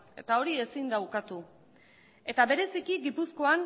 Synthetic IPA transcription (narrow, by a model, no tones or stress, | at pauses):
e̞t̪ao̞ɾie̞sind̪awkat̪u | e̞t̪aβe̞ɾe̞sikiɡipusko̞an